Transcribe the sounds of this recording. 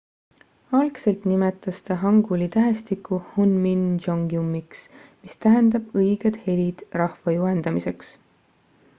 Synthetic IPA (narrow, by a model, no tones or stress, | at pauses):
ɑlkse̞lt̪nimet̪ːˑɑst̪ɑɦɑŋɡ̥ulit̪æɦest̪ikːˑuhunmind͡ʒoŋɡiumːiksmist̪æɦend̪̥ɑb̥ɤjɡ̥ed̪̥he̞lid̪̥rɑhvɑjuɦend̪̥ɑmise̞ks